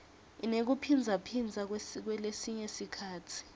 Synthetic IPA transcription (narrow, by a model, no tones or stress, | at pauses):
inek̬upʰind͡zʱapʰind͡zʱak̬k̬wɛlesiɲesikʰaːtʰi̥